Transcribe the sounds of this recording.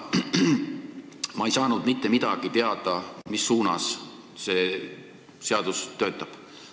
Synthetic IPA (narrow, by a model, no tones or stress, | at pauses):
mɑjsɑːnud̪̥mit̪ːe̞mid̪̥ɑɡ̥it̪e̞ɑd̪̥ɑmisːuːnɑ̰s | se̞ | se̞ɑd̪̥ust̪ːø̞ːt̪ːˑɑb̥